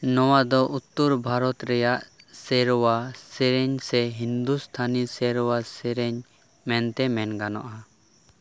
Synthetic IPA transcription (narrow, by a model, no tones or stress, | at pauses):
nɔwad̪ɔʔut̪ːuɾbʱaɾɔt̪ɾɛjaʔsɛɾɔwasɛɾɛɲsɛɦind̪ust̪ʰanisɛɾɔwasɛɾɛɲ | mɛnt̪ɛmɛnɡanɔʔa